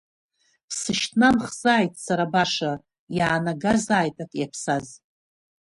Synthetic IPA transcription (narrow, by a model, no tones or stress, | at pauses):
pʰsɨʃtʰnamχzaːjtʼsaɾabaʂa | jaːnaɡazaːjtʼakʼjapʰsaz